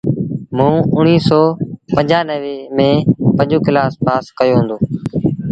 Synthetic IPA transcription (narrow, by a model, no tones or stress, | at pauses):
mũːʊɳiːsɔːpə̃ɲd͡ʒaːnəʋeːmẽːpəɲd͡ʒoːkɪlaːspaːskəjoːɦʊ̃ːnd̪oː